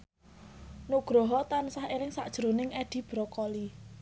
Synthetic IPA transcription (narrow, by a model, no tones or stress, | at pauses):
nuɡ̥ɾɔɦɔt̪ansahelɪŋsa̰ʔd̥ʒ̥ɾonɪŋɛɖ̪̥i̤b̥ɾɔkɔli